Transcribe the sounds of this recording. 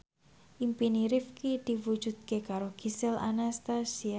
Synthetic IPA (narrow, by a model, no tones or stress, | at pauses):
ʔimpiniɾifkid̪̥i̤wu̥ʒ̥ṳd̪̚kekaɾoɡ̥i̤sɪla̰nast̪asia